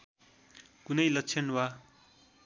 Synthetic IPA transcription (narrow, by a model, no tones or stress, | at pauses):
kunʌjlʌkt͡sʰenwa